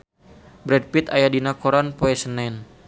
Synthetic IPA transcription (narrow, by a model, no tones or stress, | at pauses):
bɾɛd̚pit̪ajadinakoɾanpoɛsənɛn